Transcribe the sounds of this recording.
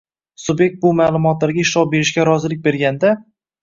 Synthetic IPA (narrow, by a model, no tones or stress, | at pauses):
sʊbje̞k̚t̪̚bʊmaːlˠʊmɒt̪laɾɡʲaɪʃɒbe̞ɾɪʃkʲaɾɒzɪlɪk̚ʲbe̞ɾɡʲand̪a